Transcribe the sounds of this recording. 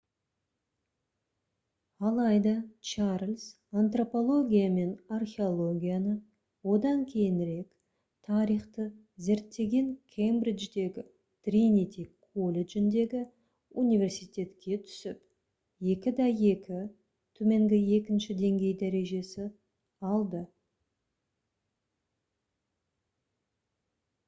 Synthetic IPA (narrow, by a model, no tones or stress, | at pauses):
ɑlˠɑjd̪ɑt͡ʃarlʲs | ant̪ro̞po̞lˠo̞ɡʲijame̞narχʲe̞o̞lˠo̞ɡʲijanə | wo̞d̪ɑŋkʲʰe̞jɪnɾe̞k | t̪ʰɑɾijχt̪ə | ze̞ɾt̪ːe̞ɡʲe̞ŋkʲʰejmbridd͡ʒd̪e̞ɡʲɪ | t̪rinit̪ʲikʰolʲed͡ʒɪnd̪e̞ɡʲɪ | unijvʲe̞rsijt̪ʲe̞t̪kʲʰe̞t̪ʰʏ̥sɪp | je̞kʲɪd̪ɑje̞kʲɪ | t̪ʰɵme̞ŋɡʲɪje̞kʲɪnʃɪd̪e̞ŋɡʲe̞jd̪æɾe̞ʒe̞sɪ | ɑlˠd̪ə